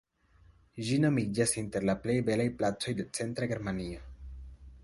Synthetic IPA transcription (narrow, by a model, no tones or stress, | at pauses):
d͡ʒino̞mid͡ʒasinte̞ɾlaple̞jbe̞lajplat͡so̞jde̞t͡se̞ntɾaɡe̞ɾmanio